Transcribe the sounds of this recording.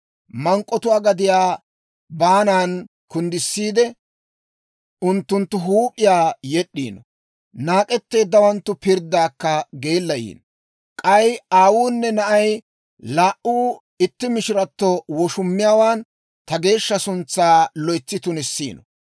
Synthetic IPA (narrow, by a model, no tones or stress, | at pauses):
mɐŋkʼːɔt̪ʊaːɡɐd̪ɪjaː | baːnaːn | kʊnd̪ɪsːiːd̪ɛ | ʊnt̪ːʊnt̪ːʊɦuːpʼɪjaːjɛɗːḭːnɔ | naːkʼɛt̪ːe̞ːd̪ːɐwɐnt̪ːʊpɪɾd̪aːkːɐɡe̞ːlːɐjḭːn | kʼɐjaːwuːnːɛnɐʔɐj | laːʔuː | ɪt̪ːɪmɪʃɪɾɐt̪ːɔwɔʃʊmːɪjaːwaːn | t̪ɐɡe̞ːʃːɐsʊnt͡sːaːlɔjt͡sːɪt̪ʊnɪsːḭːnɔ